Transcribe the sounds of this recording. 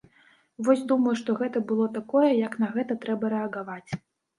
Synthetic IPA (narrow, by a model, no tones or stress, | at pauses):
vɔsʲd̪umɐjuʂt̪ɔɣɛt̪ɐbɨlˠɔt̪akɔjɛjɐknɐɣɛt̪ɐt̪ɾɛbɐɾɛɐɣavat͡sʲ